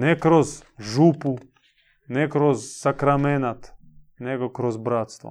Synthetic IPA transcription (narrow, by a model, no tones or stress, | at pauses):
nɛkɾozʒuːpu | nɛkɾozːakɾamenat̪nɛɡokɾozbɾaːt̪st̪ʋo̰